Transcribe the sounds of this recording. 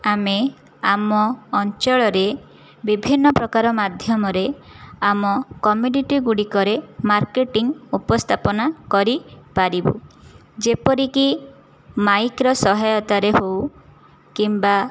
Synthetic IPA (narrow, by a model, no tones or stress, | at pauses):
ame | amɔːnt͡ʃɔɭɔɾe | bibʱinːɔpɾɔkaɾɔmad̪ʱjɔmɔɾeamɔkɔmjuniʈiɡuɽikɔɾemaɾkeʈiŋupɔst̪ʰapɔnakɔɾipaɾibṵd͡ʒepɔɾiki | majkɾɔsɔɦajɔt̪aɾeɦow | kimba